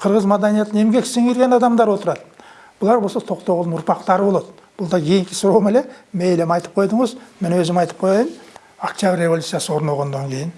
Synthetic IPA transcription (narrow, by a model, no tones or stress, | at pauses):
qʰəɾʁəzmad̪ɑnijɑt̪ːəne̞mɡʲe̞kʲseŋeɾɡʲe̞nɑd̪ɑmd̪ɑɾwo̞t̪əɾɑd̪ə | b̥ʊlˠɑɾbosot̪ʰo̞qt̪ow̪nʊɾpɑqt̪ɑɾəbo̞lˠɑd̪ə | b̥ʊlˠd̪ɑkʲʰejɪŋkʲɪ̥sʊɾomelemejlemɑjt̪əp̚qʰo̞jd̪əɴəzmenwɵzɪmɑjt̪ə̥p̚qʰo̞jɑjən | akt̪jabʲrʲre̞volʲut̪sijasəwo̞ɾnɑlˠʁond̪ɑŋkʲʰe̞jɪn